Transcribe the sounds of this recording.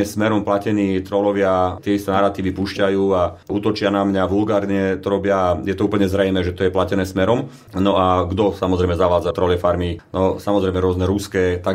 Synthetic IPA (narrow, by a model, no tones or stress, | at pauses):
ɛsmɛɾɔmplacɛniːt̪ɾɔlɔʋɪat̪ɪɛist̪ɛnaɾat̪iːʋipuːʃcajuːauːt̪ɔt͡ʃɪanamɲaʋulɡaːɾɲɛt̪ɔɾɔbɪaːjɛt̪ɔuːpl̩ɲɛzɾɛjmɛːʒɛt̪ɔjɛplacɛnɛːsmɛɾɔm | nɔaɡd̪ɔsamɔzɾɛjmɛzaʋaːd͡zat̪ɾɔlɛfaɾminɔsamɔzɾɛjmɛɾʊɔznɛɾuskɛːt̪a